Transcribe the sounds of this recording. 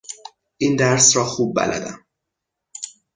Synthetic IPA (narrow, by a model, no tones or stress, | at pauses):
ʔiːnd̪æɾsɾɒːxuːb̚ːæ̰lʔæ̰d̪æm